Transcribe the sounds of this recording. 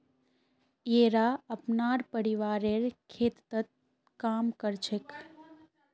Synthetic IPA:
eːɾaəpnaːɾpəɾiʋaːɾeɾkʰeːt̪t̪ət̪̚ | kaːmkəɾt͡ʃʰek

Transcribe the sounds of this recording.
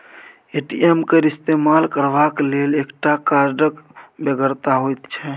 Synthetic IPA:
eʈiemkeɾist̪emalkəɾbaklelekʈakaɾɖəkbeɡəɾt̪aɦojt̪t͡ʃʰɛ

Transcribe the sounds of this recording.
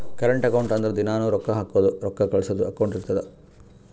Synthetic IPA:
kɐɾɐɳʈɐkɐwɳʈɐnd̪ɐɾed̪inaːnuːɾɔkːɐɦaːkuʋɐd̪uɾɔkːɐkɐɭsɐd̪uɐkɐwɳʈiɾt̪ːɐd̪e

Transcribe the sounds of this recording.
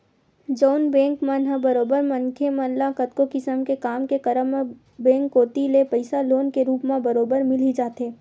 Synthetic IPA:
d͡ʒoːnbɛ̃ːŋkmãnɦəbɐɾoːbəɾmɐ̃nkʰemɐ̃llakɐt̪kokɪsəmkekaːmkekəɾəm | bẽːŋkːoːt̪ilepəɪsaloːnkeɾuːpmãbɐɾoːbəɾmɪlid͡ʒaːt̪ɦeː

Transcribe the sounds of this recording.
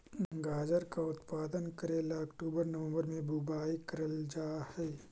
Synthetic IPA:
ɡaːd͡ʒəɾkaʊt̪paːd̪ənkɐɾeːlaɐkʈuːbəɾnɐʋə̃mbəɾmẽbubaːikɐɾəld͡ʒaːhɛː

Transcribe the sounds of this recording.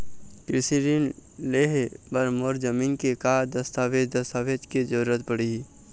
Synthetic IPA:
kɾɪsiɾinleːɦebɐɾmoɾd͡ʒəmiːnkekaːd̪ɐst̪aːʋeːd͡ʒd̪ɐst̪aːʋeːd͡ʒked͡ʒəɾuɾət̪̚pəɽiɦi

